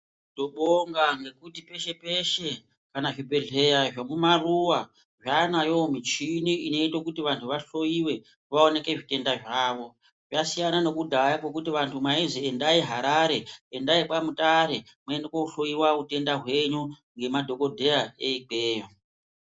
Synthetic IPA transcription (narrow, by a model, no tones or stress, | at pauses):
to̞ɓoŋɡaŋɡe̞kutipe̞ʃe̞pe̞ʃe̞ | kanaʐibʱeɮe̞jaʐamumaruwa | ʐanajo̞mit͡ʃiniino̞itokutiʋantʰuʋaɬo̞jiwe̞ | ʋaone̞ke̞ʐite̞ndaʐaːʋo̞ | ʐasijanano̞kudʱajakwo̞kutiʋantʰumaiziendaiɦaɾaɾe̞endaipamutaɾe̞ | mwaendekouɬo̞iwaute̞ndaɦwe̞ɲu | ŋɡe̞madʱo̞ko̞dʱe̞jaeik͡peːjo